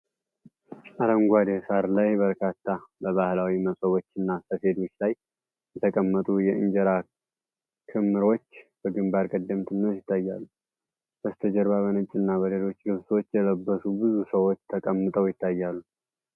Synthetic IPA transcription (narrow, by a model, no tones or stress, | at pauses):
ʔaləmɡʷad̪esaɾlajbəɾkʰat̪ʰːabəβahlawiməsʼəβo̞t͡ʃːɨnːasəfe̞d̪o̞t͡ʃːlaj | jɛt̪ʰəkʼəmːət̪ʼujɛɨɲd͡ʒɛɾa | kʰɨmːɨɾo̞t͡ʃːb̥əɡɨmbaɾkʼəd̪ːəmt̪ʰɨnːəsjɪt̪ʰːajːalːu | b̥əst̪ʰəd͡ʒəɾβaβənɨt͡ʃʼːɨnːaβəlelo̞t͡ʃːlɨβsot͡ʃːjɛləbːəsubɨzusəwo̞t͡ʃːt̪ʰəkʼəmːɨt̪ʼəwjɪt̪ʰːajːalːu